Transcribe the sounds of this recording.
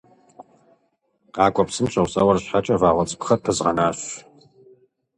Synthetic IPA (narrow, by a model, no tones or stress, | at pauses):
aːkʷʼɔpsɨmɕʰɐwsʼɐwɐrɕħat͡ʃʼɐvaːʁʷɐt͡sʼpʰχɐpʰɨzʁɐnaːɕ